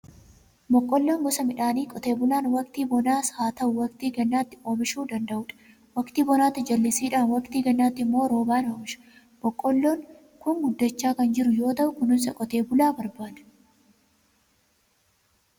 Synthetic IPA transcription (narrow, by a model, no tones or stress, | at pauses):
mɔkʼːɔlːoːŋɡɔsɐmɪᶑaːniːkʼɔt̪e̞ːbʊlaːnwɐkt̪iːbɔnaːshaːt̪ɐʔʊwɐkt̪iːɡɛnːaːt̪ːɪʔo̞ːmɪʃuːd̪ɐnd̪ɐʔʊᶑɐ̥ | wɐkt̪iːbɔnaːt̪ːɪd͡ʒɐlːɪsiːᶑaːnwɐkt̪iːɡɐnːaːt̪ːɪmːo̞ːɾo̞ːbaːnoːmɪʃɐ̥ | mɔkʼːɔlːoːŋ | kʊŋɡʊd̪ːɐt͡ʃːaːkɐnd͡ʒɪɾʊjo̞ːt̪ɐʔʊkʊnɪsɐkʼɔt̪e̞ːbʊlaːbɐɾbaːᶑɐ̥